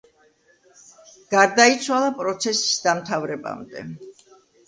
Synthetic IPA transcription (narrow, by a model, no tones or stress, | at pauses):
ɡ̥aɾd̪ait̪sʰwalˠapʼɾɔt̪sʰɛsi̥sd̪amt̪ʰavɾɛba̰md̪ɛ̰